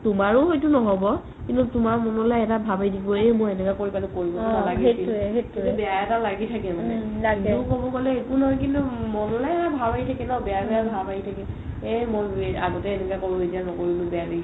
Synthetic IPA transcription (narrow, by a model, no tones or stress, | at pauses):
tumaɹʊɦojtunɔɦɔbɔ | kintutumaɹmɔnɔlɛɛtabʱabajdibɔemojɛnɛkakoɹibalukoɹibɔtnalaɡieiuɛɦetubɛjaɛtalaɡitʰakɛmanɛlaɡɛukobɔkɔlɛekunɔɔjkintumɔnɔlɛabʱabaɦitʰakɛnɔbɛabɛabʱabaɦitʰakɛ | emoja̰ɡɔtɛːnɛkakoɹuɦetianɔkoɹilʊbɛade